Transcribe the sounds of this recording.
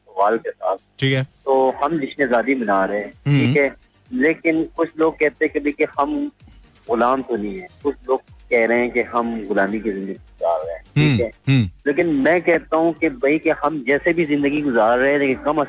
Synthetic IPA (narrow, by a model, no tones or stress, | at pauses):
sɐʋaːlkesa̰ːt̪̚ʰʈʰiːkɛt̪oːhɐmlɪʃnezaːd̪ibɐnaːɾɐɦẽʈʰiːkɦɛː | leːkɪnkʊt͡ʃʰloːɡ̚kɛɦt̪ẽɦɛ̃kebʱɐikehɐm | ɣʊlaːmt̪onĩɦɛ̃ːkʊt͡ʃʰloːɡ̚kɛɦɾɐɦeɛ̃keɦɐmɣʊlaːmikizɪ̃nd̪əɡiɡʊza̰ːɾːɐɦẽːʈʰiːkɦɛːleːkɪnmɛ̃ːkɛɦt̪aɦũkebʱɐikeɦɐmd͡ʒɛːsebʱizɪ̃nd̪əɡiɡʊzaːɾːeɦẽleːkɪnkɐmə